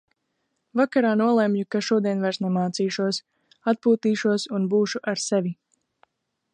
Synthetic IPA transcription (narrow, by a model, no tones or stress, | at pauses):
vakaɾaːnuɔlˠɛmjukaʃuɔd̪iɛnvaɾsnɛmaːt̪siːʃuɔs | at̪̚puːt̪iːʃuɔsunbuːʃuʔaɾsevʲi